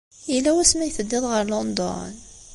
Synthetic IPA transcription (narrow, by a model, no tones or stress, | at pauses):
ilːæwæsmæjθəd̪ːɪðˤʁəɾlond̪ɔ̰n